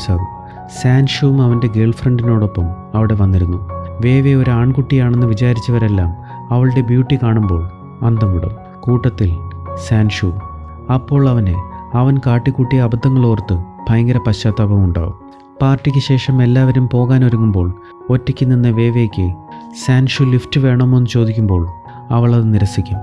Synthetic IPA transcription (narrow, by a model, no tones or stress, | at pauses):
saːɣu | saːnʂuumɐʋɐnde̞ɡe̞ːɭfrɐɳɖino̞ːɽo̞pːɐm | ɐʋiɽe̞ʋɐnːiɾunːuʋe̞ːʋeo̞ɾuaːɳkuʈːijaːɳe̞nːɨʋit͡ɕaːɾit͡ɕːɐʋɐɾe̞lːaːm | ɐʋɐɭɨɽe̞bjuːʈːikaːɳumbo̞ːɭ | ɐnd̪ɐmuɽɐ̰ | kuːʈːɐt̪ːilsaːnʂu | ɐpːo̞ːɭɐʋɐne̞̰ɐʋɐnkaːʈːikʲːuʈːiɐbɐd̪ʱːɐŋːɐɭoːrt̪ːɨb̥ʱɐjɐŋɡɐɾɐpɐɕaːt̪ːabɐmuɳɖa̰ːɣum | paːrtːikʲːɨɕe̞ːʂɐme̞lːaːʋɐɾumpo̞ːɣaːnoɾuŋːumbo̞ːɭ | o̞tːɐkʲːɨnːinːɐʋe̞ːʋe̞kʲːɨsaːnʂuliftɨʋe̞ːɳɐme̞nːut͡ɕo̞ːd̪ʱikʲːumbo̞ːɭ | ɐʋɐɭɐðɨniɾɐsikʲːum